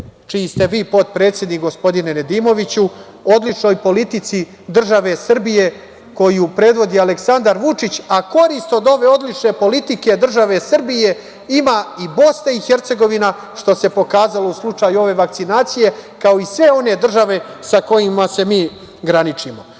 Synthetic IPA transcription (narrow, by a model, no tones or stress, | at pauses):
t͡ʃiist̪e̞ʋiːpo̞t̪̚pɾet̪sjed̪nikɡo̞spo̞d̪inened̪iːmo̞ʋit͡ɕu | od̪lit͡ʃno̞ːjpo̞lit̪it̪si | d̪r̩ʒaʋe̞sr̩bije̞ | ko̞jupɾe̞d̪ʋo̞d̪ialeksand̪aɾʋut͡ʃit͡ɕako̞ɾist̪o̞d̪o̞ʋe̞o̞d̪lit͡ʃne̞po̞lit̪ike̞d̪r̩ʒaʋe̞sr̩bije̞ | imaibo̞snaixe̞ɾt̪se̞ɡo̞ʋina | ʃt̪o̞se̞po̞kaːzalouslˠut͡ʃajuo̞ʋe̞ʋak̚t̪sinaːt̪sije̞kao̞isʋe̞o̞ne̞d̪r̩ʒaʋe̞sako̞jimase̞miː | ɡɾanit͡ʃimo̞